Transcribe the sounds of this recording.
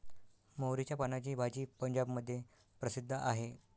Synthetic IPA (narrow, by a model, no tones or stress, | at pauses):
mowɾit͡ɕjapanat͡ɕiːbʱad͡ʑiːpəɲd͡ʑabməd̪ʱːje | pɾəsid̪ʱːəʔaɦe